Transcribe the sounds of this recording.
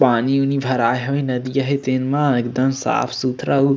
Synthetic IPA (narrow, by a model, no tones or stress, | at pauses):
paːniunibʱɐɾaːjɦoĩnɐd̪ijɐɦet̪enmãek̚d̪ɐmsa̰ːpʰsut̪ʰɾɐu